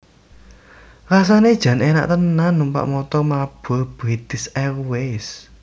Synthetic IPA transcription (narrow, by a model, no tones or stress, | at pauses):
rasaned̥ʒ̥ä̤nena̰ʔt̪ənːanumpa̰ʔmɔt̪ɔmab̥ɔb̥ɾit̪ɪsɛrwes